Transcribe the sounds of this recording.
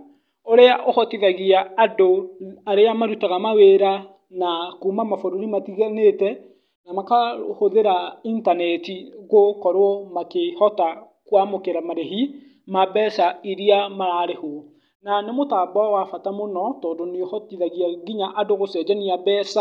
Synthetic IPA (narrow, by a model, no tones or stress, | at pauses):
oɾeaʔohɔtiðaɣiaːdoaɾeamaɾutaɣamaweɾa | nakuːmamafoɾoɾimatiɣanetɛ | namakahoðeɾaintanɛtiɣokɔɾwɔmakehɔta | kwamokeɾamaɾeɦi | mabɛsaiɾiamaɾaɾeho | nanemotaːbawafatamonɔtɔːndoneohɔtiðaɣiaɡiɲaʔadoɣosɛːd͡ʒaniabɛsa